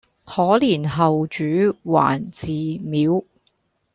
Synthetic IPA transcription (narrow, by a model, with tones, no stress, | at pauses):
hɔː˨˧˥liː˨˩nɦɐ˨wt͡ʃyː˨˥wa̰ː˨˩nt͡siː˨miː˨˥w